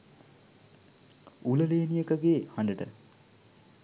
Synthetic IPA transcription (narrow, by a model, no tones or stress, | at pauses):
uləleːnijəkəɡeːhaɳɖəʈə̰